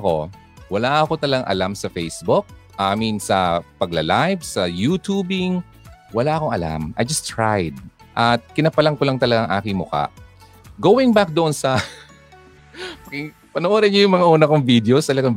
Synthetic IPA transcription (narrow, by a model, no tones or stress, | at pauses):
ko̞̰ | wɐlaʔɐko̞t̪ɐlɐɡaŋʔɐ̰lamsɐfɛjsbʊk̚ʔaːminsɐpɐɡ̚lɐlajvsɐjuːt̪uːbɪŋ | wɐlaːʔɐko̞ŋʔɐla̰mʔɐ̰jd͡ʒɐst̪ɹajd̪̚ | ʔɐt̪̚kɪnɐpɐlɐŋkolɐŋt̪ɐlɐɡaŋʔa̰ːkɪŋmʊka̰ʔ | ɡoːwɪŋbak̚d̪oʔonsɐ | pɐkɪŋ | pɐnoʔoːɾɐɲojʊŋmɐŋaʔuːnɐkoŋvid̪ɛost̪ɐlɐɡaŋ